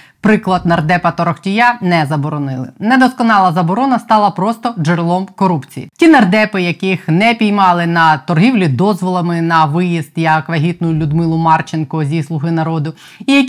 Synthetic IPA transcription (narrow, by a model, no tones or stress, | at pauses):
pɾɪklˠɐd̪̚nɐrd̪ɛpɐt̪ɔɾɔxtʲijanɛzɐbɔɾɔnɪlˠɪ̰nɛd̪ɔskɔnɑlˠɐzɐbɔɾɔnɐst̪ɑlˠɐpɾɔst̪ɔʒɪɾlˠɔmkɔɾupt͡sʲḭjḭtʲinɐrd̪ɛpɪjɐkɪxnɛpʲijmɑlˠɪnɐt̪ɔrɦʲiwlʲid̪ɔzʋɔlˠɐmɪnɐʋɪjizt̪jɐkʋɐɦʲit̪̚nʊjʊlʲʊd̪mɪlˠʊmɑrt͡ʃenkɔzʲislˠʊɦɪnɐɾɔd̪ʊ | ijɐkʲ